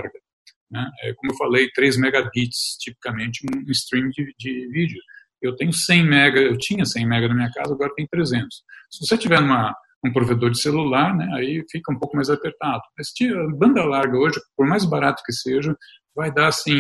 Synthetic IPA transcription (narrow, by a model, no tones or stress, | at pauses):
ɾɡɐ | nɛɛkõmʊewfalejt̪ɾejzmɛɡabit͡ʃɪ̥st͡ʃipi̥kɐmẽnt͡ʃɪũũɪst̪ɾĩmd͡ʒɪd͡ʒɪvid͡ʒʊ | ewt̪ẽɲʊsẽj̃mɛɡɐewt͡ʃĩɲɐsẽj̃mɛɡɐnɐmĩɲɐka̰zɐaɡɔɾɐt̪ẽj̃t̪ɾezẽnt̪ʊ̥ssɪvoset͡ʃivɛnũmɐ | ũpɾoved̪oɾd͡ʒɪselulaɾnɛaifikɐũpowkʊmajzapeɾt̪ad̪ʊmɐst͡ʃiɐbɐ̃nd̪ɐlaɾɡɐoʒɪpoɾmajzbaɾat̪ʊ̥kɪseʒɐ | vajd̪aasĩ